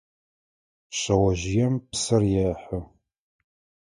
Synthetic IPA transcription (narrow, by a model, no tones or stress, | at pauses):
ɕɐwɐʑɪjɛmpsɐrjɛːħə